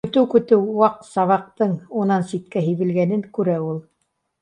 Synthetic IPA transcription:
kɵ̆t̪ɘwkɵ̆t̪ɘwːɑq̪̚sɑβɑq̚t̪ɤɴunɑnsit̪kæɦɘ̆jβɘ̆lɡænɘŋkʉɾæulˠ

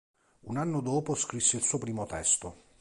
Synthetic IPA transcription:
unanːod̪oːposkɾisːeilsuːopɾiːmot̪ɛst̪o

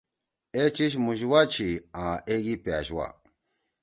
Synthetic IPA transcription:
et͡ʃiʃ̬muʒiwat͡ʃiãʔeɡipjaʃwa̰

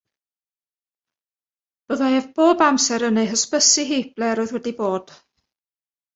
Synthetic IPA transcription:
b̥əðaeːvb̥oːbamsɛɾənejɦəspəsiɦiːb̥lɛɾɔɨðwɛdiboːd̥

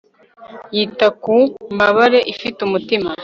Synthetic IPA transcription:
jitakumbaβaɾe̞ʔifitumutima

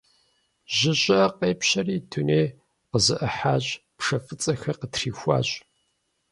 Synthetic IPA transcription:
ʒɪɕʼɐqeːpɕɐriːtʰuneː | qəzɨʔɨħaːɕʼpʂɐfɨt͡sʼɐxɐqətriːxʷa̰ːɕʼ

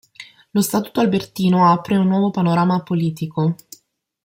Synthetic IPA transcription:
lost̪aːt̪u̥t̪oalbert̪iːnoapɾeunːwɔːvopanoɾaːmapoliːt̪iko

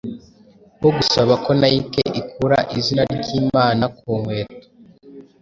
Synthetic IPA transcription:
woɡusaβako̞najikḛʔikʰuɾa̰ʔizinaɾɟiːmaːnakuːŋwe̞ːto̥

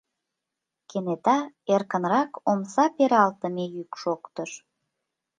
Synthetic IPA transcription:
kenet̪ɑ | erkənrɑkomsɑpeɾɑlt̪əmejykʃokt̪əʃ

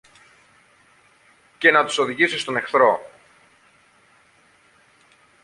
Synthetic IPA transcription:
ce̞nɐt̪u̥so̞ðiʝisist̪o̞ne̞xθɾo̞

